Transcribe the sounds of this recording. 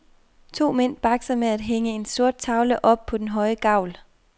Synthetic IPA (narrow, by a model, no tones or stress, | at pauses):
t͡sʰo̝̰ːmen̰b̥ɑ̈ɡ̥sɐmeæd̥ɦeŋəe̝nso̝ɐd̥̚t͡sʰɑ̈ʊləʔɒ̽b̥̚pʰɒ̽d̥enɦɒ̽ɪəɡ̥ɑ̈ʊ̰l